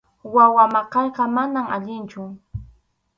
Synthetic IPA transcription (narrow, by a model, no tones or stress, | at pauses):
wawamaqɑʎqɑmanama̰ʎɪnt͡ʃʊ